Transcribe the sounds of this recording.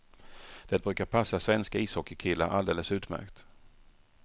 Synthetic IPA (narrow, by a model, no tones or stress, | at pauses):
d̪̥ɛt̪̚bɾʉ̟ːkaɾpʰasːasvɛnskaiːshɔkːəkʰɪlːaʔa̰ld̪eːləsʉ̟ːt̪mæ̰ɾkt̪